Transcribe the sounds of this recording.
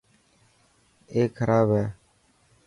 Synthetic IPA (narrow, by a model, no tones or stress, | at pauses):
eːkkʰəɾʔaːbɦɛː